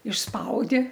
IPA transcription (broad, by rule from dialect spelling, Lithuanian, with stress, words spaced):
ɪʃˈspɐʊdʲɪ